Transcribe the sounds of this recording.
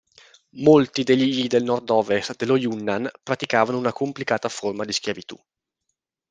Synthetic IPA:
molt̪id̪eʎːiid̪elnɔrd̪ɔːvest̪d̪elojunːanpɾat̪ikaːvanounakomplikaːt̪aformad̪isk̟javit̪ṵ

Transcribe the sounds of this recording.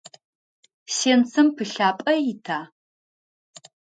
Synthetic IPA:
seːnt͡sʰɨmpʰɨɬaːpʼɐjɪtʰaː

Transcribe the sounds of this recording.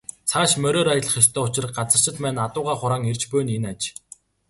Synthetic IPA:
t͡sʰaːʃmœɾoːɾajə̆ɮə̆χjɔst̪ʰœːʊt͡ɕɪ̆rɢat͡sə̆r̥t͡ɕɪ̆t̪pæːnat̪ʊːʁaːχʊɾaːŋert͡ɕpɵːnenat͡ɕ

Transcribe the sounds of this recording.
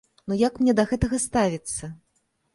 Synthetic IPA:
nujakmnʲɛd̪ɐɣɛt̪ɐɣɐst̪avʲit̪sːɐ

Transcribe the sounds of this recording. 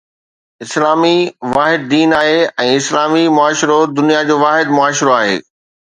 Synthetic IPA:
ɪslaːmiʋaːɦɪd̪̚ːiːnaːɦeɛ̃ːɪslaːmimʊaːʃɾod̪ʊnijad͡ʑoːʋaːɦɪd̪̚mʊaːʃɾoaːɦḛː

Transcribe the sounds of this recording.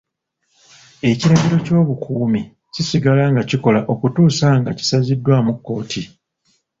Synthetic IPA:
e̞ciɾaβiɾo̞co̞ːβukʰuːmi | cisiɡalaːŋɡaciko̞laʔo̞kutuːsaŋɡaci̥sazidːwamukːo̞ːtʰi

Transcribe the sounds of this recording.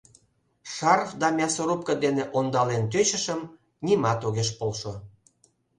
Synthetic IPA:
ʃɑrfd̪ɑmʲɑsoɾup̚kə̆d̪eneʔond̪ɑlent̪øt͡ɕə̆ʃəm | nimɑt̪oɣeʃpolʃo

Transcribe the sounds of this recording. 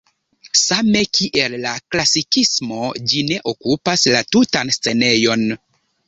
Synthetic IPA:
same̞kʰiʔe̞lːaklasikismo̞d͡ʒine̞ʔo̞kupaslatutanst͡se̞ne̞jo̞n

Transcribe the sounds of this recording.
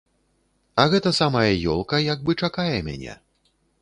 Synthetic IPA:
ɐɣɛt̪ɐsamɐjɐjɔlˠkɐjaɡ̚bɨt͡ʂakajɛmʲa̰nʲɛ̰

